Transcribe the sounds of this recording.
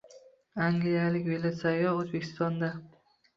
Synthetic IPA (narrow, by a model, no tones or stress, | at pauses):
aŋɡlijalɪkʲvelat̪sajɒozbekʲʰɪ̥st̪ɒnd̪a